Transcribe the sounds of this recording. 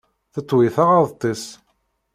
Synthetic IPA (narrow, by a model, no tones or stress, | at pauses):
θət̪ˤːwiθaʁɑðˤt̪ˤːis